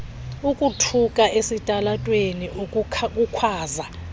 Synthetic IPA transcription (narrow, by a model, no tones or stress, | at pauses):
ukʼutʰukʼaʔesitʼalatʼweniʔkʼukʰwaːza